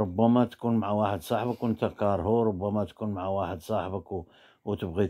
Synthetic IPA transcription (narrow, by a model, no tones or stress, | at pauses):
ɾʊbːæmæt̪kunmʕawaħəd̪sˤɑħbəkwənt̪ækɑɾˤɦuɾˤʊbːæmæt̪kunmʕawaħəd̪sˤɑħbək | wt̪əbɣi